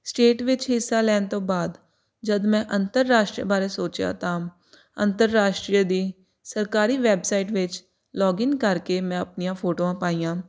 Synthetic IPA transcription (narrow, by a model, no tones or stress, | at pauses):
sʈeːʈʋɪt͡ʃɦɪsːaːlɛːnt̪õːbaːd̪ | d͡ʒəd̪mɛ̃ːʔənt̪əɾːaːʃʈɾiə̰baːɾeːsoːt͡ʃjã̰ːt̪ãː | ə̰nt̪əɾːaːʃʈɾijəd̪iː | səɾkaːɾiːʋɛːbsaːɪʈʋɪt͡ʃ | lɔːɡɪnkəɾkeːmɛ̃ːəpnijãːpʰoːʈoːãːpaːiːjãː